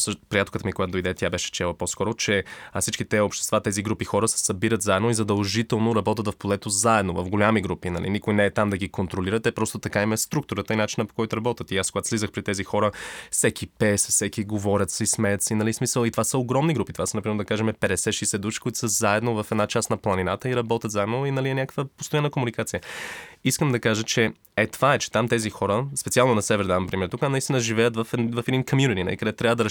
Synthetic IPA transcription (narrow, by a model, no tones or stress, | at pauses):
səʃt̪pɾijat̪okət̪əmikoɡat̪d̪ojd̪ɛt̪jabɛʃɛ̥t͡ʃɛlˠəpɔskɔɾot͡ʃɛsit͡ʃkit̪ɛopʃt̪ɛ̥st̪vat̪ɛziɡɾupixɔɾəsɛ̥sɐbiɾət̪zaɛd̪noizɐd̪ɐlˠʒit̪ɛlˠnoɾɐbɔt̪ət̪vɐfpolɛt̪ozaɛd̪novɐfɡolʲamiɡɾupinɐ̰lḭnikojnɛːt̪amd̪ɐɡikont̪ɾoliɾət̪ɛpɾɔst̪ot̪ɐkaimɛst̪ɾuk̚t̪ʊɾət̪əinat͡ʃinəpo̥kɔjt̪ʊɾɐbɔt̪ət̪iaskoɡat̪slizəxpɾit̪ɛzixɔɾəfsɛkipɛsfsɛkʲiɡovɔɾʲət̪sɛsmɛjət̪sinɐlismisəlˠit̪ovasəoɡɾɔmniɡɾupit̪o̥vasənɐpɾimɛɾd̪ɐkaʒɛmɛpɛd̪ɛsɛʃɛjsɛd̪uʃikoʊit̪u̥səzaɛd̪novɐfɛd̪nat͡ʃasnɐplˠɐninat̪əiɾɐbɔt̪ʲəɐt̪zaɛd̪noinɐliɛnʲakəkvəpost̪ojanːəkomunikat̪sijəiskəmd̪ɐkaʒət͡ʃɛ | ɛt̪ovaɛt͡ʃɛ̥t̪amt̪ɛzixɔɾəspɛt̪sialˠnonɐsɛvɛɾd̪avɐmpɾimɛɾt̪ukanɐist̪inəʒivɛjət̪vɐfɛvɐfɛd̪inkomjunit̪inɐ̰likəd̪ɛt̪ɾʲavəd̪ɐɾ